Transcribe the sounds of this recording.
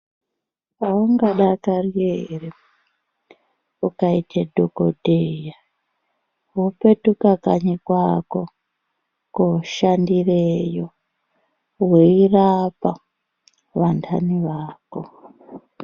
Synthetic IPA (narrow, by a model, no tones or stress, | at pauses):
paoŋɡaɗakariere | ukaitedʱokodʱeja | ɦupetukakaɲikwako | kuʃandirejo | weirapa | ʋantʰaniʋaːko